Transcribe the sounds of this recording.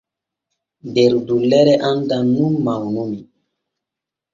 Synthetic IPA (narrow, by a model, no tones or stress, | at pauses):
deɾdulɛɾɛʔandanumːawnumi